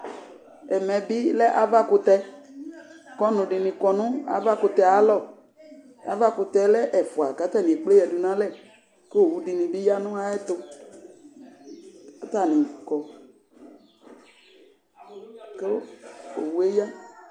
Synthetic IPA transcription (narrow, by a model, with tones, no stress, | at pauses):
ɛ˨mɛ̃˨bi˦lɛ˦ʔa˨va˦kʊ˧t̪ɛ˧ | kɔ˦nʊ̃˨ɖi˨nĩ˨kɔ˨nũ˦a̰˨va˦kʊ˧t̪ɛ˨a˨˦lɔ˦˨ | a̰˦va˦kʊ˧t̪ɛ˨lɛ˦ʔɛ˨fu˨a˨ka˨˦t̪a˦˨nĩ˨e˨k͡ple˦jɛ˨du˨nã˦lɛ˦˨ | ke˦o˨wu˦di˨nĩ˨bi˦ja˦nũ˦a˦ɛ˦t̪o˧ | a˨t̪a˦˨nĩ˨kɔ˨ | ke˦o̰˨wu˦e˦ja˦